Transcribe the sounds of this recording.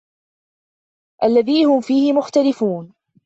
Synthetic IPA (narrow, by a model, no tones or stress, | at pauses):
ʔalːaðiːhʊmfiːhɪmʊxt̪alɪfuːn